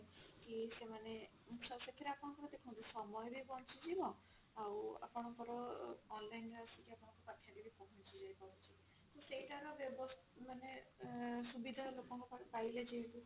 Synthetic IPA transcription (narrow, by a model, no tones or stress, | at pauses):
kisemane | muksɔsekʰːiɾeapɔɽɔ̃ŋkɔɾɔd̪ekʰɔ̃t̪usɔmɔjbʱibɔnt͡ʃʰid͡ʒimɔ | awa̰pɔɽ̃ɔŋkɔɾɔːnlajnasikiapɔɽ̃ɔ̃ŋkupakʰːjad̪ibʱipɔɦɔnt͡ʃʰid͡ʒajpaɾɔt͡ʃʰi | k̪useiʈaɾɔbjɔbɔs | mane | subid̪ʱalokɔŋkɔpapaɦiled͡ʒeeku